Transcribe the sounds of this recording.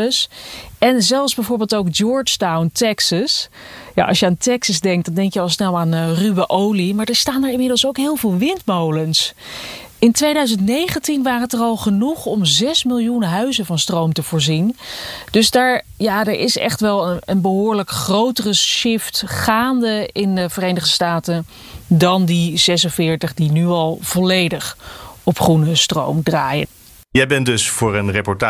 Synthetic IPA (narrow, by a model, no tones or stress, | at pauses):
əsɛnzɛlˠfzbɛjvoːɹbeːlˠtowkd͡ʒɔɹt͡ʃtawntɛksəs | ja̰ʔɑ̰sjəaːntɛksəzdɛŋk̚dɑndɛŋkjəɑlˠsnɛlˠaːnryʋəʔowlimaːɹdəɹstaːndəɹɪnmɪdəlˠsowkɦɪːlˠvɪːlˠʋɪntmowləns | ɪntʋejdœɥzəntnejχəntinʋaːrəntərɑlˠχənuχɔmzɛsmɪlˠjunɦœɥzəvɑnstrowmtəv̥ʊːɹzind̥ɵzdaːɹjadəɹʔɪ̰sɛ̰χtʋɛlˠənənbəɦʊːɹləkχrowtərəʃɪftχaːndəɪndəvərejnəχdəstaːtən | dɑndizɛsənvɪːɹtəχdinyɑlˠv̥ɔlejdəχɔpχrunəstro̰wmdraːjə̰n | jɛjbɛndɵsfʊːɹənrepɔɹta